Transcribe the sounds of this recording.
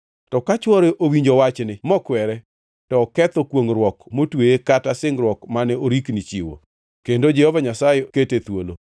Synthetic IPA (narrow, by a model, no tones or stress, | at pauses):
tɔkat͡ʃwɔɾeʔowiɲd͡ʒowat͡ʃnɪmɔkwɛɾɛ | tɔːkɛt̪ɔkwoŋɾwɔkmotweekatasɪŋɾwɔkmanɛoɾiknit͡ʃiwo̰ | kendod͡ʒɛhɔvaɲasajeketet̪wolo